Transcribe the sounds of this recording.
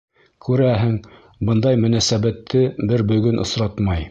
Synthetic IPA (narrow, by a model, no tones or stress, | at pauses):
kʰʉɾæɦɘŋ | bɤnd̪ɑjmɵ̆næsæβæt̪ʰːɘbɘɾbɵ̆ɡɵnʔŏ̰sɾɑt̪mɑj